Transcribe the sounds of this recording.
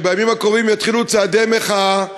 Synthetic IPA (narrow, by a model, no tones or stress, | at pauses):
bejamimakovimjat̪χilut͡saːd̪emeχa